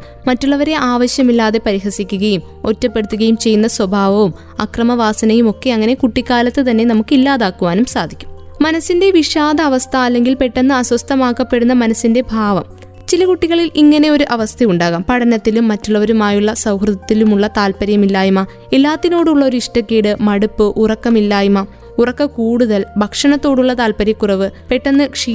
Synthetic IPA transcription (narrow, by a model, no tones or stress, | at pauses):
mɐtːuɭːɐʋɐɾe̞ʔaːʋɐɕjɐmilːaːðe̞pɐɾiɦɐsikʲːuɣɐjum | o̞tːɐpːe̞ɽut̪ːuɣɐjumt͡ɕe̞jːunːɐswɐbʱaːʋɐʋum | ɐkrɐmɐʋaːsɐnɐjumo̞kːe̞ɐŋːɐne̞kuʈːikʲːaːlɐt̪ːɨt̪ɐnːe̞nɐmukːilːaːðaːkːuʋaːnumsaːd̪ʱikʲːu̥m | mɐnɐsːinde̞ʋiʂaːd̪ɐːʋɐst̪ʰɐːlːe̞ŋɡilpe̞ʈːenːɨɐswɐst̪ʰɐmaːkːɐpːe̞ɽunːɐmɐnɐsːinde̞bʱaːʋɐm | t͡ɕilɐkuʈːiɣɐɭiliŋːɐne̞o̞ɾuʔɐʋɐst̪ʰɐjuɳɖaːɣaːmpɐɽɐnɐt̪ːilumːɐtːuɭːɐʋɐɾumaːjuɭːɐsɐwhrɨðɐt̪ːilumuɭːɐt̪aːlpɐɾɐjɐmilːaːjumɐ | elːaːt̪ːino̞ːɽuɭːɐo̞ɾuiʂʈɐkːiːɽɨmɐɽupːɨʔurɐkːɐmilːaːjumɐ | urɐkːɐkuːɽuðɐlbʱɐkʂɐɳɐt̪ːo̞ːɽuɭːɐt̪aːlpɐɾjɐkːurɐʋɨpe̞ʈːɐnːɨkʂi